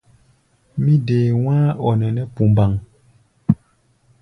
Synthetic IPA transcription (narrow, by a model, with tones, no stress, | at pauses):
mi˦deː˨wãː˦ɔ˨nɛ˨nɛ˦pu˨m˨ba˨ŋ